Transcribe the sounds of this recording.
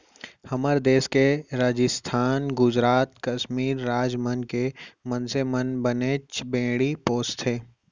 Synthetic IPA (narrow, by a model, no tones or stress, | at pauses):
hɐməɾd̪eːskeɾaːd͡ʒɪst̪ʰaːnɡʊd͡ʒɾaːt̪kɐʃmiːɾːaːd͡ʒmənkemənsemənbəneːt͡ʃbẽːɽipoːst̪ʰeː